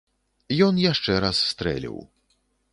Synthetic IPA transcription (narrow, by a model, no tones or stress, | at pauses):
jɔnjaʂt͡ʂɛɾasːt̪ɾɛ̰lʲḭw